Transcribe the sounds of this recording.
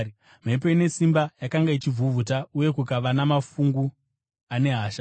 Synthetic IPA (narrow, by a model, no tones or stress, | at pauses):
m̤ep̬eine̞simbajakaŋɡait͡ʃivuvʱutauje̞kukaʋanamafuŋɡu | ane̞ɦaːʃa